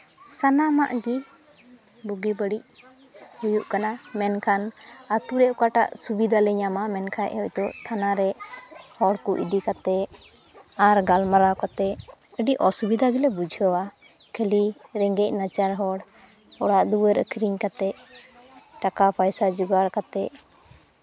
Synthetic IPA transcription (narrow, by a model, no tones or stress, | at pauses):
sanamaʔɡi | buɡibəɽic̚ | hujuʔkanamɛnkʰanat̪uɾɛʔkaʈa̰ʔsubid̪ʱalɛɲamamɛnkʰajʔɔct̪ɔʔt̪ʰanaɾɛhɔɽkuʔḭd̪ikat̪ɛ | aɾɡalmaɾakat̪ɛ | əɖiʔɔsubid̪ʱaɡilɛbud͡ʒʱəwa | kʰəliɾɛŋɡɛc̚nat͡ʃaɾɦɔɽ | ɔɽaʔd̪uwəɾə̰kʰɾiɲkat̪ɛ | ʈakapʰajsad͡ʒuɡaɾkat̪ɛ